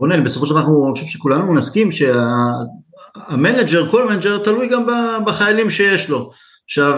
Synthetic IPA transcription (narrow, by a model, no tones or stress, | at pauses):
onenbe̞sofoʃdaaχnunχʃevʃekulanumnaskimʃe̞aː | mened͡ʒeʁko̞lmened͡ʒeʁt̪alujɡambabaχajalimʃe̞jeʃlo̞ | ʃav